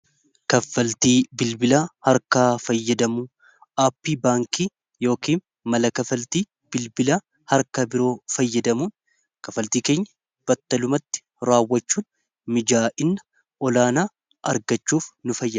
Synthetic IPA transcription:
kɐfːɐlt̪iːbɪlbɪlaːhɐɾkaːfɐjːɐd̪ɐmuː | ʔaːpːiːbaːŋkiː | jo̞ːkiːn | mɐlɐkɐfɐlt̪iː | b̥ɪlbɪla | hɐɾkɐbɪɾo̞ːfɐjːɐd̪ɐmuːn | kɐfɐlt̪iːke̞ːɲːɐ̥ | b̥ɐt̪ːɐlʊmɐt̪ːɪ̥ | ɾaːwːɐt͡ʃːuːn | mɪd͡ʒaːʔɪnːɐ | ʔɔlaːnaː | ʔɐɾɡɐt͡ʃːuːfnʊfɐjːɐ

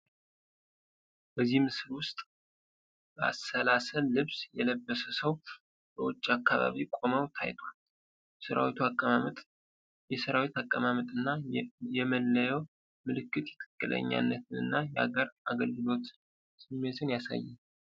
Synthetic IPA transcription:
bəzːihmɨslwʊst̪ʼ | bəa̰sːəlasəlːɨβsjɛləbːəsəsəw | bəwɔt͡ʃʼːiakʰːaβa̰βikʼo̞məwt̪ʰa̰jt̪ʰwal | səɾa̰wit̪ʰuakʼːəmamət̪ʼ | jɛsəɾawit̪akʼːəmamət̪ʼɨnːajɛməlːəjɛw | mɨlɨkːɨt̪jɛ̥t̪ʰʼɨ̥kʼːɨlə̰ɲːa̰nːət̪ʰɨnɨ̰nːajɛha̰ɡəɾaɡəlɡɨlo̞t̪ | sɨmːe̞t̪ʰɨnjasa̰jːɛn

